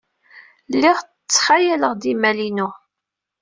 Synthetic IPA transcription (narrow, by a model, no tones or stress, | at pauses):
lːiʁ | t͡sːχajæləʁd̪imælinu